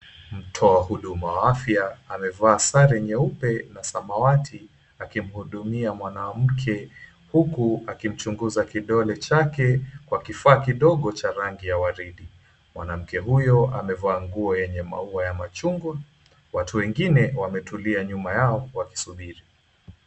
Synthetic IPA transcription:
m̩tʰɔahuɗumawaafjaːmɛvaːsaɾɛɲɛupɛnasamawatʰi | akim̩huɗumiamwanam̩kʰɛ | hukuakim̩t͡ʃuŋɡuzakiɗɔlɛt͡ʃakɛkwakifaːkiɗɔɠɔt͡ʃaɾaŋɡijawaɾiɗi | mwa̰nam̩kɛɦujɔamɛvaːŋɡuɔjɛɲɛma̰uajamat͡ʃuŋɡu | watuwɛŋɡinɛwamɛtʰuliaɲumajaɔwaki̥suɓiɾi

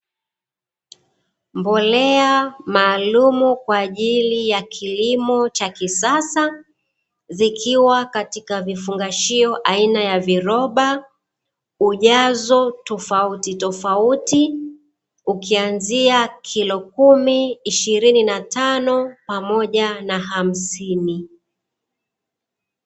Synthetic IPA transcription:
mbɔlɛamaːlumukwaːʄilijakʰilimɔt͡ʃakisasa | zikʰiwakatikavifuŋɡaʃiɔʔainajaviɾɔɓa | uʄazɔtɔfautitɔfauti | ukianziakʰilɔkumiːʃiɾininatanɔpamɔʄanaɦam̩sini

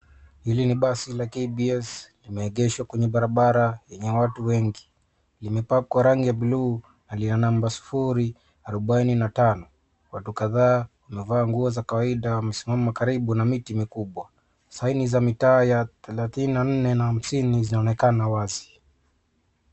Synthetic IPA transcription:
hiliniɓasilakɛbiɛslimɛːɠɛʃwakwɛɲɛɓaɾaɓaɾajɛɲɛwatuwɛŋɡi | limɛpakwaɾaŋɡijabiluː | nalinanambasu̥fuɾi | aɾɔɓaininatanɔ | watukaðaːwamɛvaːŋɡuɔzakawaiɗawam̩simamakaɾiɓunamitimikuɓwa | sainizamitaːjaθɛlaθininan̩nɛnaham̩sinizinaɔnɛkanawazi̥

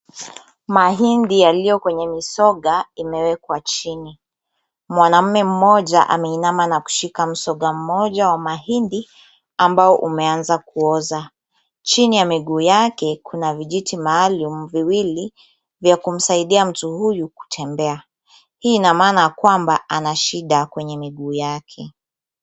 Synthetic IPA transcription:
maɦindijalijɔkwɛɲɛmisɔɠaimɛwɛkwat͡ʃini | mwanam̩mɛm̩mɔʄaʔa̰mɛinamanaku̥ʃikam̩sɔɠam̩mɔʄawamaɦindi | ambaɔʔumɛanzakuɔza | t͡ʃinijamiɠuːjakɛkʰunaviʄitimaːlumuviwili | vjakum̩saiɗiam̩tuhujuku̥tʰɛmbɛa | hinamaːnajakwambaʔanaʃiɗakwɛɲɛmiɠuːjakʰɛ

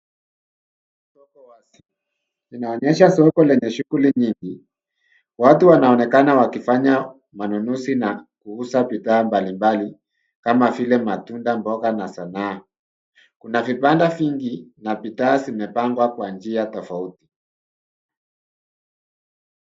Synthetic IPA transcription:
sɔkɔwasi | inaɔɲɛʃasɔkɔlɛɲɛʃuɣuliɲiŋɡi | watuwanaɔnɛkanawakifaɲa | manunusinakuusapitaːmbalimbali | kamavilɛmatundambɔɣanasanaː | kunavipandaviŋɡinapitaːzimɛpaŋɡwakwand͡ʒiatɔfauti̥

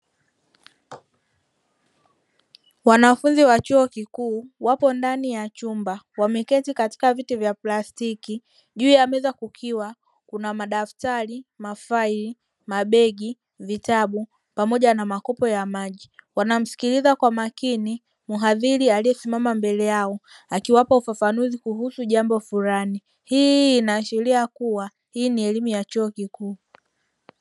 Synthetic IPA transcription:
wanafunziwat͡ʃuɔkikuːwapɔndanijat͡ʃumbawamɛkɛtikati̥kavitivjaplastiki | ʄuːjamɛɛzakukʰiwa | kunamaɗaftaɾimafaili | maɓɛɡi | vitaɓu | pamɔʄanamakɔpɔjamaʄiwanam̩si̥kilizakwamakini | muɦaðiɾialijɛsimamambɛlɛjaɔakiwapaufafanuzikuhusuʄambɔfuɾani | hiːnaʃɛɾiakuwa | hiːniɛlimujat͡ʃɔɔkikuː

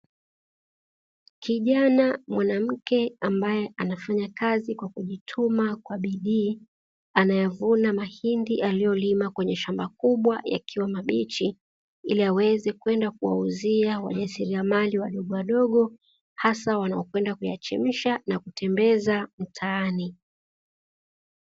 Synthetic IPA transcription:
kiʄanamwanam̩kɛambajɛʔanafaɲakazikwakuʄitʰumakwaɓiɗiː | anajavunamahindiʔalijɔlimakwɛɲɛʃambakuɓwaja̰kʰiwamaɓit͡ʃi | ḭliawɛzɛkwɛndakuwa̰uziawa̰ʄasiɾiamaliwaɗɔɠɔwaɗɔɠɔ | hasawanaɔkwɛndakuja̰t͡ʃɛ̰m̩ʃanakutʰɛmbɛzam̩tʰaːni

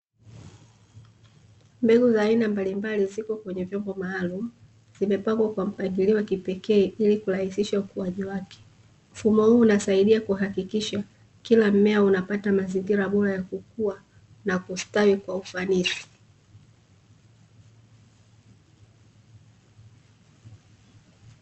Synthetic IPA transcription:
mbɛɡuzaːinambalimbalizikɔkwɛɲɛvjɔmbɔmaːlumu | z̥imɛpaŋɡwakwam̩paŋɡiliwakipɛkɛːilikuɾahisiʃaukuwaʄiwakɛ̥ | m̩fumɔhuːnasaiɗiakuɦakikiʃa | kilam̩mɛaunapatamaziŋɡiɾaɓɔɾajakukua | nakustawikwaufanisi̥

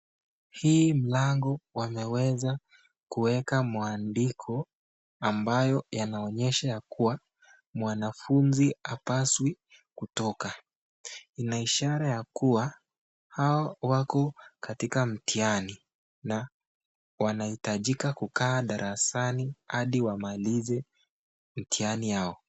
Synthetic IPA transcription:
hiːm̩laŋɡɔwamɛwɛza | kuwɛkamaandikʰɔ | ambajɔjanaɔɲɛʃajakuwa | mwanafunziapaswi | kutɔka | inaiʃaɾajakuwa | hawawakɔkatikam̩tiani | na | wanahitaʄikakukaːɗaɾʔasanihaɗiwamalizɛ | m̩tianijaɔ

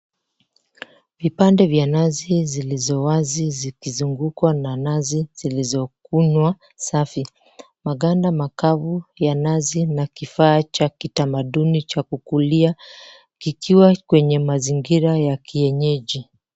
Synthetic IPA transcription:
vipandɛvjanazizilizɔwazizikizuŋɡukwananaziz̥ilizɔkuɲwa | safi | maɠandamakavujanazinakifaːt͡ʃakitamaɗunit͡ʃakukulia | kikʰiwakwɛɲɛmaziŋɡiɾajakiɛɲɛʄi

